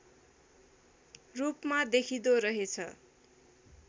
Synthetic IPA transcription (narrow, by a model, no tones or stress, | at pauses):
rupmad̪ekʰid̪oɾʌɦet͡sʰʌ̰